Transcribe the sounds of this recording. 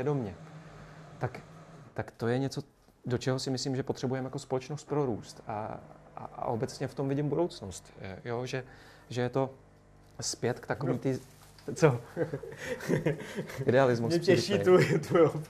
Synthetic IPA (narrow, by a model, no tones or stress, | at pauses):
jɛdo̞mɲɛ | t̪akt̪akt̪o̞jɛɲɛt͡so̞ | do̞t͡ʃɛɦo̞sɪmɪsliːmʒɛpot̪r̝̥ɛbujɛmjako̞spo̞lɛt͡ʃnost̪̚pɾo̞ɾuːst̪a̰a̰ʔa̰ʔo̞bɛt͡sɲɛft̪o̞mvɪɟɪmbudowt͡snost̪joːʒɛ | ʒɛjɛt̪o̞ | spjɛt̪kt̪akoviːt̪ɪ | t͡so | ɪdɛalɪzmusɛɛʃit̪ut̪uo